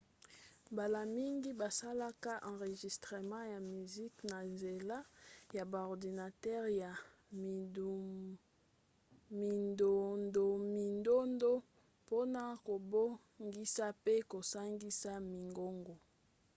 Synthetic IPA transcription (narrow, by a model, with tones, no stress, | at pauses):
ba˨la˨mi˦ŋɡi˦ba˨sa˦la˦ka˦ʔɑ̃˨ʁe˨ʒi˨stʁe˨mɑ̃˦ja˨my˨zi˦kna˨nze˨la˦ja˨ba˨ɔ˨ʁdi˨na˨tɛ˦ʁja˨ | mi˨ndo˨ndo˨mi˨ndo˦ndo˦ | po˦na˨ko˨bo˦ | ŋɡi˦sa˦pe˦ko˨sa˦ŋɡi˦sa˦mi˨ŋɡo˦ŋɡo˨